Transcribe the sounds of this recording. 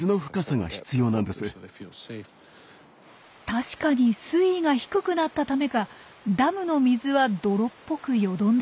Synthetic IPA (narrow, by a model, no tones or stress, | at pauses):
ɨno̞ɸɯ̟̥kasaŋa̰çi̥t͡sɨjo̞ːnãnd̪e̞sɨ | t̪aɕi̥kaɲ̟isɨiŋaçi̥kɯ̟kɯ̟nat̪ːat̪ame̞kad̪amɯ̟no̞mʲizɨβad̪o̞ɾo̞pːo̞kɯ̟jo̞d̪õ̞nd̪e